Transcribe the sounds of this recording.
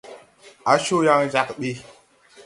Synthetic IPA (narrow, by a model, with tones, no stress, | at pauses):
a˨ʃo˦ja˦ŋd͡ʒa˨kɗi˦